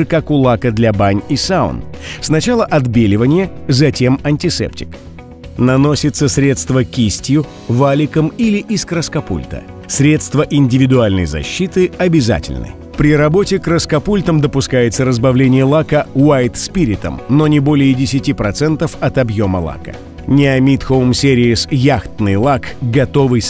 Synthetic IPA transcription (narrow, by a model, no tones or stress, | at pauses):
ɨkakʊlˠakəd̪lʲɐbanʲisaʊ̰nsnɐt͡ɕalˠəʔɐd̪bʲelʲɪvənʲɪjəzɐtʲe̞mɐnʲtʲɪsɛ̰ptʲɪ̥k | nɐno̞sʲɪt̪səsɾʲe̞t̪st̪vəkʲisʲtʲjʊ | valʲɪkəmilʲɪʔiskɾəskɐpṵlʲt̪ə̰ | sɾʲe̞t̪st̪vəʔɪnʲdʲɪvʲɪd̪ʊalʲnə̰jzɐ̰ɕːit̪ɨɐbʲɪza̰tʲɪ̰lʲnɨ̰ | pɾʲɪɾɐbo̞tʲɪkɾəskɐpulʲt̪əmd̪əpʊskajɪt̪səɾəzbɐvlʲenʲɪjəlˠakəwajt̪spʲiɾʲɪt̪ə̰mnonʲɪbo̞lʲɪjədʲɪsʲɪtʲipɾɐt̪sɛnt̪əfɐt̪ɐbjo̞məlˠa̰kə̰ | nʲɪɐmʲit̪xəmsʲeɾʲɪɪsjaxt̪nɨjlˠakɡɐt̪o̞vɨj